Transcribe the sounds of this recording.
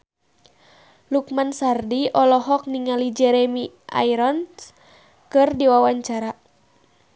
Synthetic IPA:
luk̚mansardiɔlɔɦɔk̚niŋalid͡ʒɛɾɛmi | ʔa̰iɾɔns | kɨrdiwawaɲt͡ʃaɾa

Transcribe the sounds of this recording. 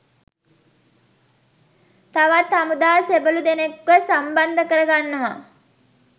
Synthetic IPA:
t̪aʋat̪amud̪aːsebəlud̪enekʋəsamband̪əkəɾəɡanːəʋa

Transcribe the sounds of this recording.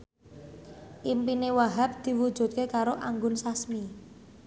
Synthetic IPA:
ʔimpinewaɦap̚d̪̥i̤wu̥ʒ̥ṳt̪̚kekaɾoʔaŋɡʊnsasmi

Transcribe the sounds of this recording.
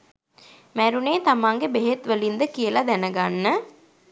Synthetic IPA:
mæɾuneːt̪amaːŋɡebeɦet̪ʋəlind̪əkijəlɐd̪ænəɡanːə

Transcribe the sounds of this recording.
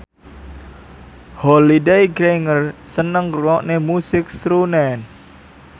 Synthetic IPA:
hɔlidejɡɾeŋərsənəŋkluwɔʔnemusɪk̚sɾunɛn

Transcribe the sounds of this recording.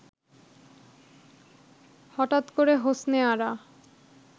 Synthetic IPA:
hɔʈat̪koɾeɦosneaɾa

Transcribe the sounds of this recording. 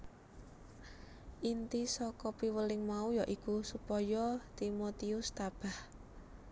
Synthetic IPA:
ʔint̪isɔkɔpiwəlɪŋmaujɔʔikusupɔjɔt̪imot̪iʊst̪ab̥a̤h

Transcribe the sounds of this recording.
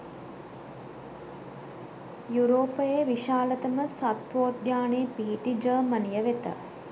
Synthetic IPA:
juɾoːpəjeʋiʃaːlət̪əməsat̪ʋoːt̪̚jaːneːpiɦiʈid͡ʒəːmənijəʋet̪ə̰

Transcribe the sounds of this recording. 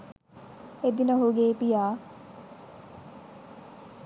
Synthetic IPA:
ed̪inəɦuɡeːpijaː

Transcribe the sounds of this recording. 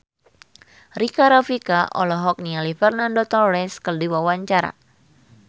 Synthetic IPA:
rikaɾafikaʔɔlɔɦɔk̚nialifɛrnandot̪ɔrɛskərdiwawaɲt͡ʃaɾa̰

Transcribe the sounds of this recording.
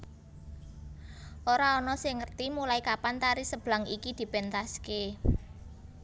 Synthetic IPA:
ʔoɾaɔnɔsɪŋːərt̪imulaikapant̪aɾisəb̥laŋikid̪̥i̤pent̪aske

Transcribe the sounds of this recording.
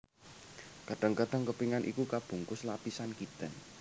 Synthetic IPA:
kəɖ̥ə̤ŋkəɖ̥ə̤ŋkəpiŋanʔḭkukab̥ṳŋkʊslapisankit̪ən

